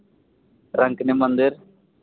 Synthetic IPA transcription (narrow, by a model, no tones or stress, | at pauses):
ɾəŋknemənd̪ɪɾ